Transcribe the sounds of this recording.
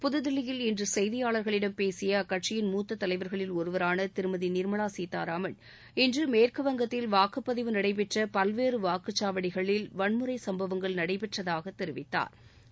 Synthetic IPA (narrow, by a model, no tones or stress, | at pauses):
pʊðɐðɪlːɪjɪlɪndrɯsɛjðɪjaːɭɐɾɣɐɭɪɽɐmpeːsɪjɐkɐʈʂɪjɪnmuːt̪ːɐt̪ːɐlɐɪʋɐɾɣɐɭɪlɔɾɯʋɐɾaːnɐt̪ɪɾɯmɐðinɪɾmɐɭaːsiːt̪ːaːɾaːmɐɭ | ɪndrɯmeːrkɯʋɐŋɡɐt̪ːɪlʋaːkɯpːɐðɪʋɯnɐɽɐɪp̬ɛʈrɐpɐlʋeːrɯʋaːkɯt͡ʃːaːʋɐɽɪɣɐɭɪlʋɐɳmɯɾɐɪsɐmbɐʋɐŋɡɐɭnɐɽɐɪpɛʈrɐðaːɣɐt̪ːɛɾɪʋɪt̪ːa̰ːɾ